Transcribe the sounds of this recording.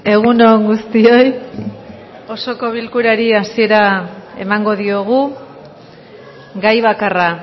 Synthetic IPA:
e̞ɣ̞unoŋɡust̪io̞j | o̞so̞ko̞β̞ilkuɾaɾiasie̞ɾae̞̰maŋɡo̞ð̞io̞ɣ̞u | ɡajβ̞akara

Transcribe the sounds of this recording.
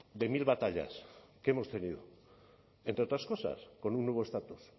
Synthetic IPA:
d̪e̞milβat̪aʎa̰skemo̞st̪e̞niðo̰ | ent̪ɾeot̪ɾasko̞sa̰sko̞nunːweβ̞oest̪at̪us

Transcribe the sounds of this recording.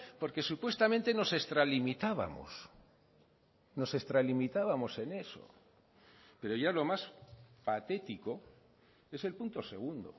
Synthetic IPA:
po̞ɾke̞supwe̞st̪amẽ̞nt̪e̞no̞se̞st̪ɾalimit̪aβa̰mo̰s | no̞se̞st̪ɾalimit̪aβamo̞se̞ne̞so̞̰ | pe̞ɾo̞ʝalo̞maspat̪e̞t̪iko̞ | e̞se̞lpunt̪o̞se̞ɣ̞und̪o̞̰

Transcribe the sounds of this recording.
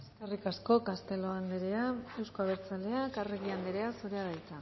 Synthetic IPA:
eskerikasko̞kast̪e̞lo̞and̪eɾeae̞wsko̞aβ̞e̞ɾt͡sale̞akareɣiand̪eɾe̞asoɾeaβajt͡sa

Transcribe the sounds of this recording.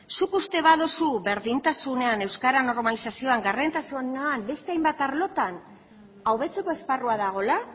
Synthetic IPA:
sukust̪e̞βaðosuβe̞ɾðint̪asune̞ane̞wskaɾano̞ɾmalisasio̞aŋɡarent̪asunambe̞st̪e̞ajmbat̪aɾlo̞t̪an | awβe̞t͡se̞ko̞esparuaðaɣ̞o̞la

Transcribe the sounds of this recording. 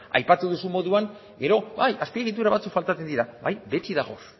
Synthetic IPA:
a̰jpat̪uðusumo̞ðuaŋ | ɡe̞ɾo̞bajaspie̞ɣ̞it̪̬uɾaβat͡sukfalt̪at͡se̞nd̪iɾabajbe̞t͡s̪iðaɣo̞

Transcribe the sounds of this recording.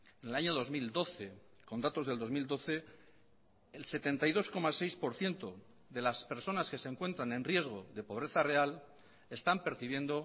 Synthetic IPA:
enelaɲo̞ðo̞zmild̪o̞θe̞ | ko̞nd̪at̪o̞zð̞e̞ld̪o̞zmild̪o̞θe̞ | lse̞t̪e̞nt̪ajðo̞sko̞mase̞jspo̞ɾθje̞nt̪o̞ | ðe̞laspe̞ɾso̞naske̞seŋkwe̞nt̪ɾanẽ̞nrje̞zɣ̞o̞ðe̞po̞β̞ɾe̞θare̞al | e̞st̪ampe̞ɾθiβ̞je̞nd̪o̞

